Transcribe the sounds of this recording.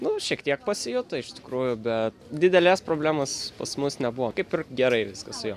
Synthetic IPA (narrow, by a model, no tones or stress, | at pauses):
nʊʃʲiɛkt̪ʲiɛk̚pɐsʲɪjʊt̪ɐɪʃt̪ʲɪ̥kɾuːjʊbʲɛt̪d̪ʲɪd̪ʲɛlʲæːspɾoːbʲlʲæːmɐspɐsmʊsnʲɛbʊʋokɐɪpʲɪrɡʲɛɾɐɪʋʲɪskɐssʊjoː